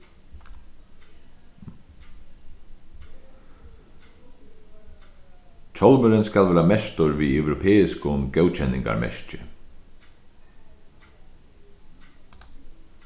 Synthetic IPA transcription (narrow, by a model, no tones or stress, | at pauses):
t͡ʃʰɔlmʏɾɪnskalvɛːɾamɛst̪ʊɹviœwɾʊpʰɛːɪskʊɡœwt͡ʃʰɛnːɪ̰ŋka̰ɾmɛ̰scɪ